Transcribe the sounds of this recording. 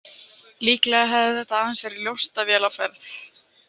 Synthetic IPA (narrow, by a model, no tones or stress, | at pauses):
liːklɛɣaɦɛvðɪθɛt̪aaːðansvɛːɾɪljowst̪avjɛːlawfɛɾθ